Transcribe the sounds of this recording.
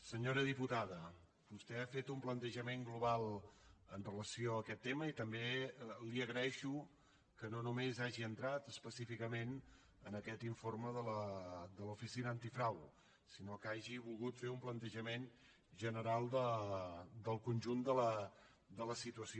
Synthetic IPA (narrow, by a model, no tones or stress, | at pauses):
səɲoɾəðiput̪aðə | bust̪ɛafet̪umplənt̪əʒəmeŋɡluβalˠənrələsioəkɛt̪ːeməit̪əmbeliəɣɾəɛʃu | kənonumezaʒiənt̪ɾat̪əspəsifikəmen | ənəkɛt̪iɱforməðələd̪əlufisinəːnt̪ifɾaw | sinokaʒiβulˠɣut̪feumplənt̪əʒəmen | ʒənəɾalˠd̪ə | d̪əlˠkunʲʒund̪ələ | d̪ələsit̪uəsio